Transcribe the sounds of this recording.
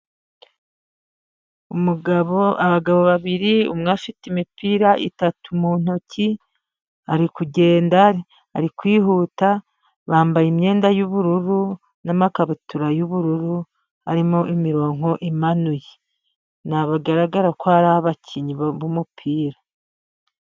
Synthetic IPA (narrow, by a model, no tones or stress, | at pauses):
umuɡaβoaβaɡaβo̞βaβiɾiṵmŋafitimipiːɾaʔḭtatumuːn̥ocʰi | aɾikuɟe̞ːndaɾe | aɾikwiːɦuːta | βaːmbajimɲe̞ːndajuβuɾuɾu | namakaβutuɾajuβuɾuɾu | a̰ɾimoʔimiɾo̞ːŋo̞ʔimanuje | naβaɡaɾaɡaɾakwaɾaβacʰiɲiββumupʰiːɾa